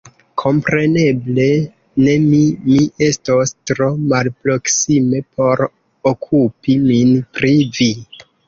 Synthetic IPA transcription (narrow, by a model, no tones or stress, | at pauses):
kʰo̞mpɾe̞ne̞ble̞ | ne̞mimie̞stostɾo̞malpɾo̞ksime̞pʰo̞ɾ | okʰupiminpɾivi